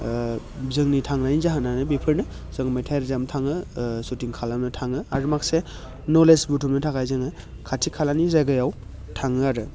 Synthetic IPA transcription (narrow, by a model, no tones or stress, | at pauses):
zɯŋnitʰaŋnajizaɦananɯbipʰɯɾnɯ | z̥ɯŋmajtʰajɾzamtʰaŋɯsutiŋkʰalamnɯtʰaŋɯaɾumak̚se | nɔlesbutʰumnɯtʰakajzɯŋɯ | kʰatʰikʰalanizajɡɯjaw | tʰaŋɯaɾɯ